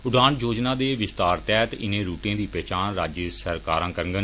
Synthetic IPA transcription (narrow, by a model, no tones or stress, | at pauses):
ʊɖaːɳd͡ʒoːd͡ʒnãːd̪eːʋɪst̪aːɾt̪ɛːt̪ɪ̰nẽːɾuːʈãːd̪iːpɛːt͡ʃaːɳɾaːd͡ʒəsəɾkaːɾãːkəɾəŋɡən